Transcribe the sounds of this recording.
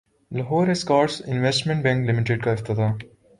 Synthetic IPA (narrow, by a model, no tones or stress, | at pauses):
lɐɦoːɾeskaːʈsɪ̃nʋesʈmẽɳʈbɛ̃ŋklɪmɪʈeɖkaɪft̪ɪt̪aː